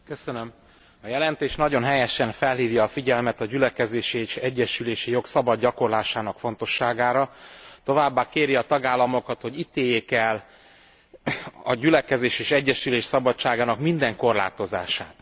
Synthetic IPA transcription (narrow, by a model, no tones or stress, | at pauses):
kø̞sønøm | ɒjɛlɛnt̪eːʃnɒɟo̞nɦɛjɛʃɛnfɛlɦiːvjɒːfiɟɛlmɛt̪ɒɟylɛkɛzeːʃieːʃɛɟːɛʃyleːʃijo̞ksɒbɒd̪ɟɒko̞rlaːʃaːnɒkfo̞nt̪o̞ʃːaːɡaːɾɒt̪o̞vaːbːaːkeːɾjiɒt̪ɒɡaːlːɒmo̞kɒt̪ho̞ɟit̪eːjeːkɛl | ɒɟylɛkɛzeːʃeːʃɛɟːɛʃyleːʃsɒbɒt͡ʃːaːɡaːnɒkmind̪ɛŋko̞rla̰ːt̪o̞za̰ːʃaːt̪